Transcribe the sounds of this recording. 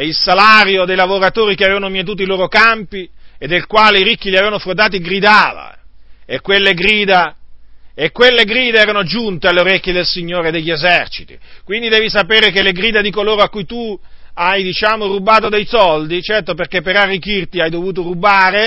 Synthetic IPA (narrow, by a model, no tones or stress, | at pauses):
ɛilsalaːɾjod̪ejlavoɾat̪oːɾikeaveːvanomjet̪̬uːt̪̬oiloːɾokampied̪ːelkwaːleiɾikːiliaveːvanofɾod̪aːt̪̬iɡɾid̪aːva̰ekːwelːeɡɾiːd̪a | ekːwelːeɡɾiːd̪eɛːɾanod͡ʒunt̪ealːeoɾɛkʲːjed̪elsiɲːoːɾed̪eʎːezɛrt͡ʃi̥t̪ḭkwind̪id̪eːvisapeːɾekelːeɡɾiːd̪ad̪ikoloːɾoakːujt̪uajd̪it͡ʃaːmorubaːt̪od̪ejsɔld̪it͡ʃɛrt̪operkepːeɾarːikːirt̪iajd̪ovuːt̪oɾubaːɾe